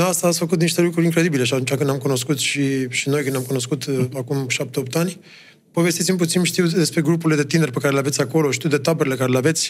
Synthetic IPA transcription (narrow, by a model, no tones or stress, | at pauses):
nast̪aːsʲfəkut̪̬niʃt̪elukɾuɾʲiŋkɾe̞d̪ibileʃ̬at̪unt͡ʃakɨnd̪amkuno̞skut̪ʃiʃino̞jkɨnamkuno̞skut̪akumʃap̚t̪eop̚t̪anʲ | po̞vest̪it̪simp̬ut̪sinʃt̪iwd̪e̞spɾe̞ɡɾupuɾled̪e̞t̪inerpekaɾeleavetsʲako̞lo̞ʃi̥t̪iuw̪d̪et̪abəɾelekaɾeleave̞t̪sʲ